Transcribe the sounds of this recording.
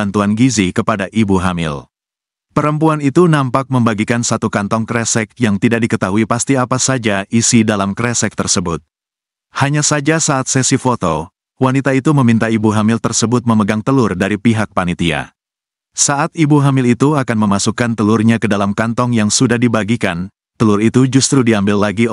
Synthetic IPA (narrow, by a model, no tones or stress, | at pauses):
ant̪uanɡizikəpadaʔibuɦamɪ̰l | pəɾəmpuanit̪unampak̚məmbaɡikansat̪ukant̪ɔŋkɾɛsɛk̚jaŋt̪idak̚dikət̪aɦuipast̪iapasad͡ʒaisidalamkɾɛsɛk̚t̪ərsəbʊt̪̚ | haɲasad͡ʒasaːt̪̚sɛsifot̪o | wanit̪ait̪uməmint̪aibuɦamɪlt̪ərsəbʊt̪̚məməɡaŋt̪əlʊrdaɾipiɦak̚panit̪ia̰ | saʔat̪̚ibuɦamɪlit̪uakanməmasukant̪əlʊrɲakədalamkant̪ɔŋjaŋsudahdibaɡikan | t̪əlʊrit̪ud͡ʒust̪ɾudiambɪlːaɡi